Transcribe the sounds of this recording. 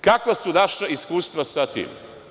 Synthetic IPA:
kakʋasunaʃaiskuːst̪ʋasat̪ḭm̰

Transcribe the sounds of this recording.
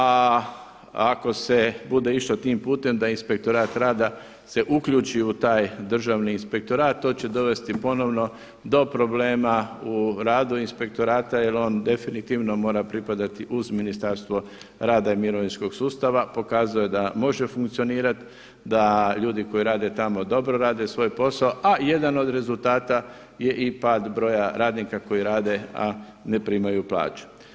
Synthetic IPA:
a | ako̞se̞bud̪e̞iʃt̪ot̪iːmpuːt̪e̞md̪ainspe̞k̚t̪o̞ɾaːt̪ɾaːd̪a | se̞ʔukʎut͡ʃiut̪aːjd̪r̩ʒaʋniːnspe̞k̚t̪o̞ɾaːt̪̚t̪ːo̞ːt͡ɕe̞d̪o̞ʋe̞st̪ipo̞no̞ʋno̞ | d̪o̞pɾo̞ble̞ːmauɾaːd̪uinspe̞k̚t̪o̞ɾaːt̪ajelo̞ːnd̪e̞finit̪iʋno̞mo̞ːɾapɾipad̪at̪iʔuzminist̪aɾst̪ʋo̞ | ɾaːd̪aimiɾo̞ʋinsko̞ɡsuːst̪aʋapo̞kaːzuje̞d̪amo̞ʒe̞fuŋkt̪sio̞niːɾat̪ | d̪aʎuːd̪iko̞iɾaːd̪e̞t̪amo̞d̪o̞bɾo̞ɾaːd̪e̞sʋo̞ːjpo̞saoʔaje̞d̪ano̞d̪ɾe̞zult̪aːt̪a | je̞ʔipaːd̪bɾo̞ːjaɾaːd̪nikako̞jiɾaːd̪e̞a̰ | nepɾimajupla̰ːt͡ʃu̥

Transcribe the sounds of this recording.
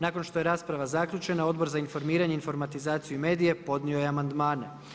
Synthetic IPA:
naːko̞nʃt̪o̞je̞ɾaːspɾaʋazakʎut͡ʃe̞nao̞d̪bo̞ɾzainfo̞ɾmiːɾaɲe̞info̞ɾmat̪izaːt̪sijume̞ːd̪ije̞po̞d̪nio̞jeamand̪maːne̞

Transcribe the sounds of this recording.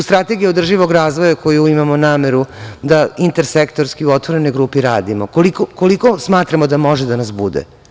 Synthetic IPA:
st̪ɾat̪eɡijiod̪r̩ʒiʋo̞ɡɾaːzʋojako̞juimamonaːme̞ɾud̪aint̪eɾsekt̪o̞ɾskiuot̪ʋo̞ɾe̞no̞jɡɾuːpiɾaːd̪imokolikokolikosmaːt̪ɾamod̪amo̞ʒed̪anasbud̪ḛ

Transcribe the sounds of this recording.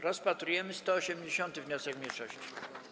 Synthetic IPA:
ɾɔspat̪ɾujɛmɘst̪ɔɔɕɛmd͡ʑeɕɔnt̪ɘvɲɔsɛkmʲɲejʂɔɕt͡ɕi̥

